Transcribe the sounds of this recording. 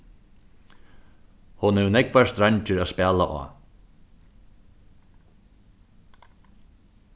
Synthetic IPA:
hʊnɛvnɛkvḁst̪ɾaɲt͡ʃɪɾaspɛːlaʔa̰ː

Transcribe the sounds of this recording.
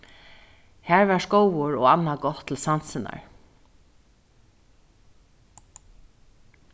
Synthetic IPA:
hæːɹʋæːʂkowʊɹo̰ːanːaɡɔt̪ʰːl̩sansɪna̰ɹ

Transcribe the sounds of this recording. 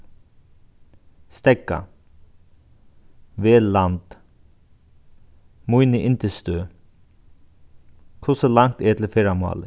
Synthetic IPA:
st̪ɛka̰ | ʋeːlɑnd̪̥ | muʏnəʔɪnt̪əst̪øː | kʰʊsəlɑŋt̪eːt̪l̩feɾamo̰ːlə

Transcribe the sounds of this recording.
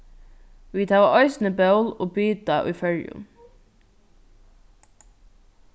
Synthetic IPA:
ʋiːt̪ʰɑːʋʔœʏsnəbɑʉlo̰ːbyːd̪ɑʔyːfœɹjʉ̰m

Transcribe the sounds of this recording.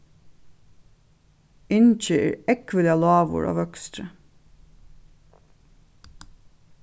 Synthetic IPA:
ɪnc͡çeə̰ɾɛkʋəlɪɑlɑːʋʊ̰ɹʔɑ̰ːʋœkst̪ɾə

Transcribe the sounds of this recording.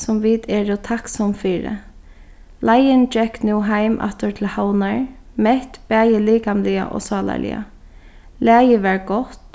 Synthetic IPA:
sʊmʋid̪ɛːɹɔt̪ʰaksɔmfiːɹɪ̰ | lajɪndɹɛkːnuːɦaɪmʔa̰t̪ʊɹt̪ʰɪlhawnaɹ | mɛht̪b̥æːjəliːkanlɪa̰ʔɔ̰ːsɑːla̰lɪ̰a̰ | læːjəʋɛɹɡɔt̪

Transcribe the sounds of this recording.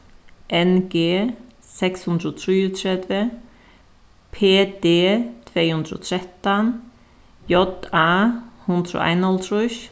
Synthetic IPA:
ʔɛnɡ̥eː | sɛkshʉnd̪ɾot̪ʰɾiːʊt̪ʰɾɛd̪ʋə | pʰeːd̪̥eːt̪ʰveːhʉnd̪ɾo̰t̪ʰɾɛt̪ːan | jɔd̪aːhʉnd̪ɾo̰ːʔa̰ɪnɔlt̪ʰɾʊʃ

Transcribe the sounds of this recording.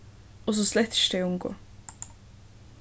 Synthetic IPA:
ɔs̬ɔslɛt̪ə̥ʃdeʊmɡo̰ː

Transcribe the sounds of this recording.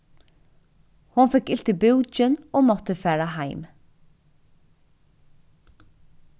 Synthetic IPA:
hʊnfɪkɪlt̪ibɪwt͡ʃɪnɔːmɔt̪əfɛːɾaɦaɪm

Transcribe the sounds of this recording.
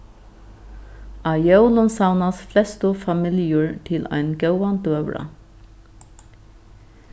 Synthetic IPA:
ɑːjœʊlʊnsɑʊnɑsflɛst̪ofɑmɪljəɹt̪ʰɪlʔæ̰ɪnɡɑʊɑnd̪øːʋɽɑ̰

